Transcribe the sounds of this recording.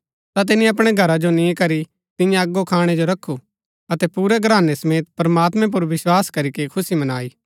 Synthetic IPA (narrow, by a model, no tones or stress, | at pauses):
t̪at̪̬ɪnĩɐp̬ɽ̃eɡʱɐɾad͡ʒonĩkɐɾi | t̪ɪ̃jãɐɡːokʰaːɽ̃ɛd͡ʒoɾɐkʰːu | ɐt̪ɛpuːɾɛɡɾaːnesɐmeːt̪̚pɾɐmaːt̪mɛ̃p̬ʊɾʋɪswaːskɐɾikekʰʊsimɐnaːiː